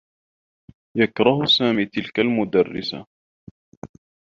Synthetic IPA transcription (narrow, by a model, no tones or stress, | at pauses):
jakɾˤɑhsaːmiːt̪ɪlkalmʊd̪arːɪ̰sa̰